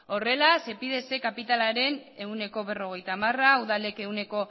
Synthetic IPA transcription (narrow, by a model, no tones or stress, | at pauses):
ore̞lase̞piðe̞se̞kapit̪alaɾe̞ne̞une̞ko̞βe̞ro̞ɣ̞e̞jt̪aːmarauðale̞ke̞une̞ko̞